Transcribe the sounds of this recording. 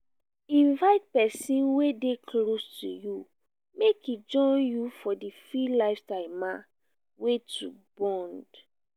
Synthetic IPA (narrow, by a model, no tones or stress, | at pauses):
ĩnvaɪt̚pɛsĩnwedekʰlostʰuju | mekid͡ʒɔ̃ɪnjufɔdifilaɪftãɪ̃mã | wetʰubɔ̃nd